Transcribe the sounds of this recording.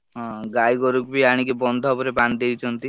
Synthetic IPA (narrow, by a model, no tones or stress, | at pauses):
ɦɔ̃ɡajɡɔɾukbiaɽ̃ikebɔnd̪ʱɔpɔɾeband̪ejt͡ʃʰɔnt̪i